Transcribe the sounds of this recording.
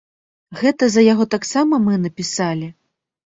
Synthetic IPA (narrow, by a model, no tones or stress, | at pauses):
ɣɛt̪ɐzɐjaɣɔt̪aksamɐmɨnɐpʲisalʲi